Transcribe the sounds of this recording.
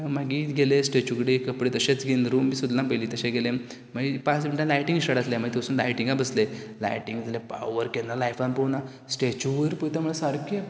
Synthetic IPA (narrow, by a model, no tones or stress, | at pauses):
maɡiɡelesʈet͡ɕukɽekəpɽet̪əɕet͡sɡenɾuːmːiːsud̪lãbəliːt̪əɕẽɡele | maɡipãt͡sʋiɳʈãlajʈĩŋɡsəɽat̪leməɡit̪owsuːnlajʈiŋɡabəsle | la̰jʈiŋɡd͡z̪ʱalepa̰ʋəɾkenalajfanpona | sʈet͡ɕuʋɾpujt̪amuɭesaɾke